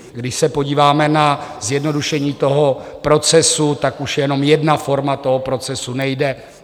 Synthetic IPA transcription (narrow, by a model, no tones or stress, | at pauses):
ɡdɪʃsɛpo̞ɟiːvaːmɛnazjɛdno̞duʃɛɲiːt̪o̞ɦo̞pɾo̞t͡sɛsut̪akuʃjɛjɛno̞mjɛdnafo̞ɾmat̪o̞ɦo̞pɾo̞t͡sɛsunɛjdɛ